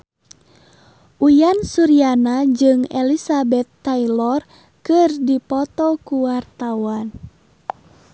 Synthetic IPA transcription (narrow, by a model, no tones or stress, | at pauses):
ʔujansuɾianad͡ʒɨŋɛ̰lisabɛt̪ːailɔr | kɨrdipɔt̪ɔkuwart̪awan